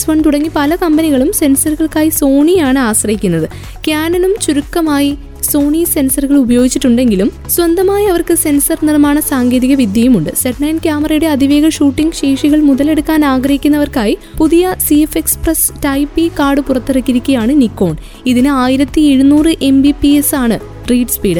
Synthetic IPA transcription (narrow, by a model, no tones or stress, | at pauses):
sʋɐɳt̪uɽɐŋːipɐlɐkɐmbɐniɣɐɭumse̞nsɐɾuɣɐɭkaːjiso̞ːɳijaːɳɨaːɕrɐjikʲːunːɐðɨ | kjaːnɐnumt͡ɕuɾukːɐmaːji | so̞ːɳise̞nsɐruɣɐɭubɐjo̞ːɡit͡ɕːiʈːuɳɖe̞ŋɡilum | swɐnd̪ɐmaːjiɐʋɐrkɨse̞nsɐrnirmaːɳɐsaːŋɡeːðiɣɐʋid̪ʱjɐjumuɳɖɨseʈɳɐjnkʲjaːmɐrɐjuɽe̞ɐd̪iʋe̞ːɡɐʂuːʈːiŋɡɕe̞ːʂiɣɐɭmuðɐle̞ɽukːaːnaːɡrɐhikʲːunːɐʋɐrkaːji | puðijɐsiefe̞ksprɐs | tɐjpːikaːrɖɨpurɐt̪ːiɽɐkːiɾikʲːɐjaːɳɨnikːo̞ːɳ | iðinɨaːjiɾɐt̪ːie̞ɻunuːrɨʔe̞mbipiesaːɳɨ | riːɖspiːɖɨ